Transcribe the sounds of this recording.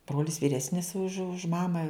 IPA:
ˈbroːlʲɪs ʋʲiːˈrʲæːsʲnʲɪs ʊʃ ʊʃ ˈmɑːmɐ

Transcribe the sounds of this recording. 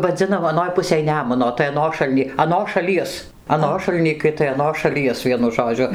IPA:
ʋɐˈd͡zʲɪnɐm ɐˈnoːj ˈpʊsʲeːj ˈnʲæːmʊnoː tɐɪ ɐˈnoːʃɐlʲnʲiː ɐˈnoːs ʃɐˈlʲiɛs ɐˈnoːʃɐlˠ nʲiːkɐɪ tɐɪ ɐˈnoːs ʃɐˈlʲiɛs ˈʋʲiɛnʊ ˈʒoːd͡ʒʲʊ

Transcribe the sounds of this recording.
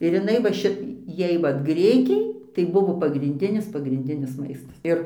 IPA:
ɪr jɪˈnɐɪ ʋɐ ˈʃʲɪ ˈjɛɪ ˈʋɐt ˈɡrʲɪkʲɛɪ tɐɪ ˈbʊʋoː pɐɡrʲɪnʲˈdʲɪnʲɪs pɐɡrʲɪnʲˈdʲɪnʲɪs ˈmɐɪstɐs ˈɪr

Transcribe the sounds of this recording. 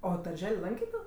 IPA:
ˈoː dɐrʲˈʒʲɛlʲ ˈlˠɐŋʲkʲeː ˈtoː

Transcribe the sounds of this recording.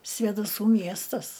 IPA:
sʲʋʲeːdɐˈsuː ˈmʲiɛstɐs

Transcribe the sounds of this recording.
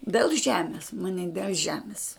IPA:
dʲeːlˠ ˈʒʲæːmʲɪs mɐˈnʲɪ dʲɛlˠ ˈʒʲæːmʲɪs

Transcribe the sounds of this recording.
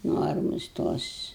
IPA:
ˈnoːrmʊs ˈtoːs

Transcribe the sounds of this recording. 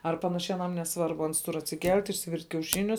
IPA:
ɐr ˈpɑːnɐʃʲɛɪ ɐˈnɐm nʲɛˈsʋɐrbʊ ˈɐns tʊr ɐtʲsʲɪˈkʲɛlʲtʲ ɪʃʲsʲɪˈʋʲɪrʲtʲ kʲɛʊˈʃʲɪnʲʊs

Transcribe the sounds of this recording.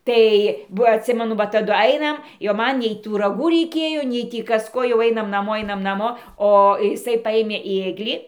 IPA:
ˈtɐɪ ˈʋɐ ɐtʲˈsʲɪmʲɛnʊ ʋɐ tɐˈdʊ ˈɐɪnɐm jɛʊ ˈmɐn nʲɛɪ ˈtuː rɐˈɡuː rʲɛɪˈkʲeːjoː nʲɛɪ ˈtʲiː ˈkɐs ˈkoː jɛʊ ˈɐɪnɐm nɐˈmoː ˈɐɪnɐm nɐˈmoː oː ɪˈsɐɪ ˈpɑːjeːmʲeː ˈeːɡlʲiː

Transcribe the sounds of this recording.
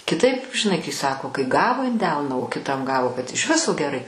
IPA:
kʲɪˈtɐɪp ʒʲɪˈnɐɪ kɐɪ ˈsɑːkoː kɐɪ ˈɡɑːʋoː ɪn ˈdʲɛlˠnɐ oː kʲɪˈtɐm ˈɡɑːʋoː kɐt ɪʃ ˈʋʲɪsoː ɡʲɛˈrɐɪ

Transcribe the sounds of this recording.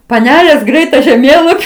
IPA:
pɐˈnʲæːlʲeːs ˈɡrʲɛɪt tɐ ʒʲɛˈmʲeːlˠɐpʲɪ

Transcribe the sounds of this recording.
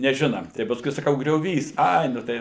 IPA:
nʲɛˈʒʲɪnɐ tɐɪ pɐsˈkʊɪ sɐˈkɐʊ ɡrʲoːˈʋʲiːs ˈɐɪ nʊ ˈtɐɪ

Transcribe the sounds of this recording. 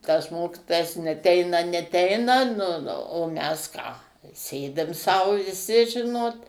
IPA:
tɐs ˈmoːkʲɪtoːjɛs nʲɛˈtʲɛɪnɐ nʲɛˈtʲɛɪnɐ nʊ nʊ oː ˈmʲɛs ˈkɑː ˈsʲeːdʲɪm sɐʊ ʋʲɪˈsʲɪ ˈʒʲɪnoːt

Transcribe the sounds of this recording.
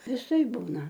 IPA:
ʋʲɪˈsɐɪ ˈbuːnɐ

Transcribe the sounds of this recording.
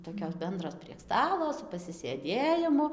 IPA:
toːˈkʲoːs ˈbʲɛndroːs pʲrʲiɛk ˈstɑːlˠoː sʊ pɐsʲɪsʲeːˈdʲeːjɪmʊ

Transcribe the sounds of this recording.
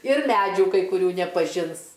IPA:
ɪr ˈmʲæd͡ʒʲuː kɐɪ kʊˈrʲuː nʲɛpɐˈʒʲɪns

